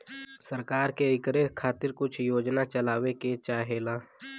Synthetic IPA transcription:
səɾkaːɾkeɪkɾekʰaːt̪ɪɾkʊt͡ʃʰjoːd͡ʒnat͡ʃəlaːweket͡ʃaːɦeːlaː

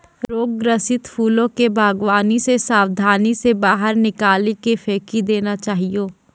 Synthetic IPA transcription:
ɾoːɡːɾəsɪt̪fʰuːlõkebʱaːɡʋaːnisesaːwd̪ʱaːnisebaːɦəɾnɪkaːlikefʰeːkid̪eːnat͡ʃaːɦioː

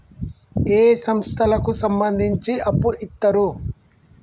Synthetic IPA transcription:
eːsɐmst̪ʰɐlɐkusɐmbɐnd̪ʱiɲt͡ʃiʔɐpːuʔit̪ːɐɾu

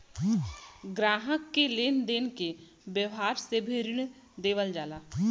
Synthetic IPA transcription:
ɡɾaːɦəkːeleːnd̪eːnke | bjəʋɦaːɾsebʱeɾɪɳ | d̪eːʋəld͡ʒaːlaː

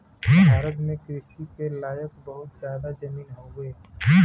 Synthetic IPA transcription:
aːɾəd̪mẽkeːsikelaːjəkbɐɦʊt̪zjaːd̪ad͡ʒɐmiːnɦõɡeː

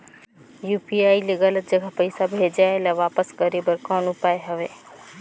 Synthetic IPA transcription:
juːpiaːileɡələt̪̚d͡ʒəɡʱapəɪsabʱeːd͡ʒaelaʋaːpəsɡəɾibəɾkãːnupaːeɦɐʋeː

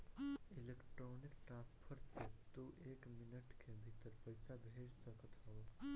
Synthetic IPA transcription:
ilekʈɾoːnikʈɾãːnspʰəɾset̪uʔeːkmɪnəʈkʰebʱit̪əɾpəjsabʱeːɽsəkət̪ɦɔ

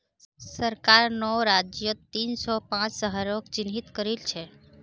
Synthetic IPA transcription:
səɾkaɾnɔɾad͡ʒjət̪insɔpãt͡ʃsəɦəɾokt͡ʃinɦit̪kəɾilt͡ʃʰɛ

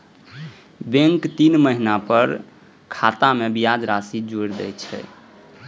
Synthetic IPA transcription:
bẽŋkt̪inməɦinapəɾ | kʰat̪amebijad͡ʒɾasid͡ʒoɾd̪ɛ̰jt͡ʃʰɛ̰

